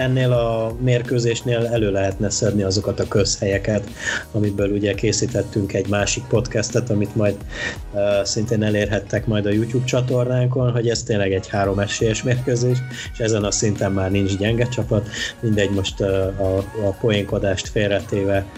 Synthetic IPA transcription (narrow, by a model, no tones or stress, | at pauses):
ɛnːeːlɒmeːrkøːzeːʃneːlɛløːlɛɦɛt̪nɛsɛd̪niɒzo̞kɒt̪ɒkø̞shɛjɛkɛt̪ | ɒmibøːluɟɛkeːsiːt̪ɛt̪ːyŋkɛɟmaːʃik̚po̞t̪kɛst̪ɛt̪ɒmit̪mɒjd̪ | øsint̪eːnɛleːrɦɛt̪ːɛkmɒjd̪ɒjuːcuːbt͡ʃɒt̪o̞rnaːŋko̞nɦo̞ɟɛzt̪eːnlɛɡɛɟhaːɾo̞mɛʃeːjɛʃmeːrkøːzeːʃ | eʃɛzɛnɒsint̪ɛmːaːrnint͡ʃɟɛŋɡɛt͡ʃɒpɒt̪mind̪ɛɟmo̞ʃt̪ɒːpo̞jiŋko̞d̪aːʃt̪feːrɛt̪eːvɛ